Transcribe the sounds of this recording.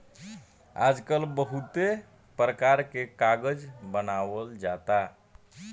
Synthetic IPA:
a̰d͡ʒkəlbəɦut̪e | pɾəkaɾkekaɡəd͡ʒbənawəld͡ʒat̪a

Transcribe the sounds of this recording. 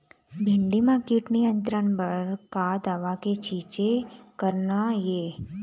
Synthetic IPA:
bʱɪ̃ɳɖimakiːʈnijə̃nt̪ɾənbəɾkad̪aːʋaket͡ʃʰiːt͡ʃekəɾnajeː

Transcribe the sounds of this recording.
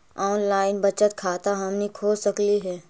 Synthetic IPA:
ɔːnlaːɪnbɐt͡ʃət̪kʰaːt̪aɦɐmnĩkʰoːsəkliɦɛː

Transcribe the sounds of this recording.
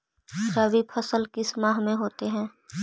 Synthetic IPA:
ɾaːbipʰɐsəlkɪsmaːɦmẽɦoːt̪eɦɛ̃ː

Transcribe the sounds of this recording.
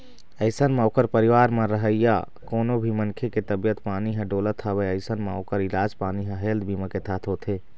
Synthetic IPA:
əɪsənmẽoːkəɾpəɾiʋaːɾmẽɾəɦəjja̰ | koːnobʱimənkʰeket̪əbjət̪paːniɦə̃ɖoːlət̪ʰəbəjəɪsənmeoːkəɾɪlaːd͡ʒpaːniɦə̃ɦeld̪bʱiːmə̃ket̪ʰaːt̪ʰɦoːt̪ʰe

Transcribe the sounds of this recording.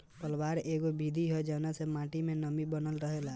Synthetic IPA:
pəlbaɾeɡobid̪ʱiɦɔed͡ʒɛnasemãʈimẽnəmibənəlɾəɦela

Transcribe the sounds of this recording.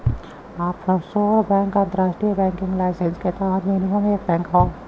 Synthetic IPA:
aːpsoːɾbɛ̃ːŋkãnt̪əɾaːʃʈɾijabɛ̃ːŋkɪ̃ŋɡlaːɪsensket̪aɾmenimomẽeːk̚bɛ̃ːŋkɦa

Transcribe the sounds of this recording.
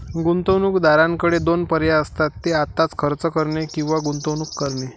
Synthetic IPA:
ɡunt̪əwnukd̪aɾãŋkəɽed̪onpəɾjaəst̪at̪ːeat̪ːat͡skʰəɾt͡səkəɾɳekĩw̃ʋaɡunt̪əwnukːəɾɳe

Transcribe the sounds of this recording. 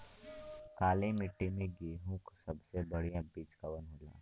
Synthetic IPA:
kaːlẽmɪʈːimẽɡeːɦõksɐbsebɐɽijãbiːt͡ʃkɐʋənɦoːla̰ː

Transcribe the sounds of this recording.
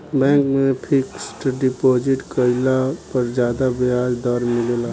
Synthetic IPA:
bɛ̃ːŋkmẽpʰɪksʈɖɪpoːd͡ʒɪʈkəɪlapəɾd͡ʒjaːd̪abɪaːd͡ʒd̪ɔːɾmɪllaː

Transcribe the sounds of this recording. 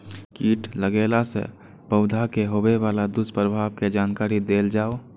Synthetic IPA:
kiːʈləɡelasḛ | pəʊd̪ʱakeɦobeʋalad̪ʊspɾəbʱaːbked͡ʒaːnkaːɾid̪eːld͡ʒaːo

